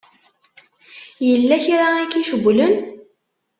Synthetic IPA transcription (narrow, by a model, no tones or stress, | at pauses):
jəlːæçɾaækːiʃəɡʷːlən